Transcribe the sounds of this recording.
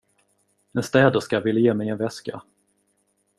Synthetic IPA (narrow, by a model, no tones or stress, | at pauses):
ɛnst̪ɛːd̪əʂkajɑvɪlːajeːmɛjɛnvɛska